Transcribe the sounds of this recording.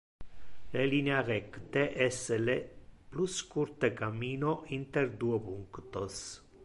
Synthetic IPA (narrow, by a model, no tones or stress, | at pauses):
lelinearɛkt̪eʔesːelepluskuɾt̪ekamːiːnoʔint̪eɾd̪uopuŋkt̪os